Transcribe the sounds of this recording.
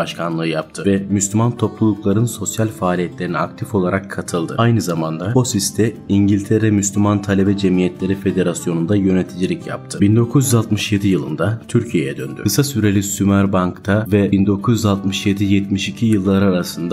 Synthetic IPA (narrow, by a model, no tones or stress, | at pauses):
baʃkʰanlˠɯːjap̚t̪ʰɯvɛmyslʲymant̪ʰo̞plˠulˠuklˠaɾɯnso̞sjalʲfaːlʲijɛt̪lʲe̞ɾiniakt̪ʰifo̞lˠaɾakʰːat̪ʰɯlˠd̪ɯ̰ajnɯzamand̪abusist̪ʰɛiɲɟilʲt̪ʰeɾɛmyslʲymant̪ʰalʲebɛd͡ʒemijɛt̪lʲe̞ɾife̞d̪e̞ɾasjo̞nund̪ajø̞net̪ʰid͡ʒilʲicja̰p̚t̪ʰɯbind̪o̞kʰuzjyzalˠt̪mɯʃje̞d̪ijɯlˠɯnd̪at̪ʰyɾcʰijejɛd̪ø̰nd̪y̰kʰɯsasyɾe̞lʲisymæɾbaŋkt̪ʰavɛbind̪o̞kʰuzjyzalˠt̪mɯʃjed̪ijɛt̪miʃicʰijɯlˠːaɾaɾasɯnd̪a